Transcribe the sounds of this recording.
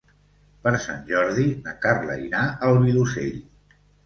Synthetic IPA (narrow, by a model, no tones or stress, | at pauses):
pəɾsa̰nʲʒɔɾðinakarlə̰inaʔəlˠβilusḛʎ